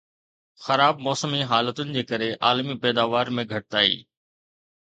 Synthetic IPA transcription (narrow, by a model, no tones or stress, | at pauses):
xɐɾaːbmɔːsəmiɦaːlət̪ʊnɪ̆d͡ʑeːkɐɾeʔaːlmipɛːd̪aːʋaːɾmẽɡʱɐʈ̚t̪aːḭː